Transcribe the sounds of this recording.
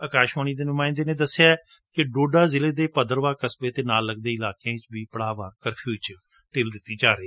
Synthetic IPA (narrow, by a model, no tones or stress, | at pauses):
əkaːʃoːñiːd̪eːnʊmaːɪ̃nd̪eːnẽːd̪əsːejaːɛ | kɪɖoːɖaːzɪleːd̪eːpəd̪əɾʋaːkəsbeːt̪eːnaːlːəɡ̚d̪eːɪlaːkãːt͡ʃbiːpəɽaːʋaːkəɾpʰuːt͡ʃə | ʈeːld̪ɪt̪ːiːd͡ʒaːɾeː